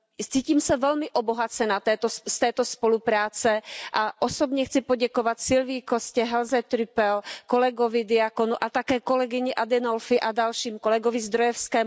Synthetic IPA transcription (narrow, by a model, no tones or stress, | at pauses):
t͡siːciːmsavɛlmiʔɔbɔɦat͡sɛnat̪ɛt̪ɔst̪ɛːt̪ɔspɔlupɾaːt͡sɛʔaʔɔsɔbɲɛxt͡sipɔɟɛkɔʋacsilviːkɔscɛɦɛlzɛt̪ɾipɛlkɔlɛɡɔvid̪iakɔnuʔat̪akɛːkɔlɛɡiɲɛʔad̪ɛnɔlfiʔad̪alʃiːmkɔlɛɡɔvizd̪ɾɔjɛfskɛː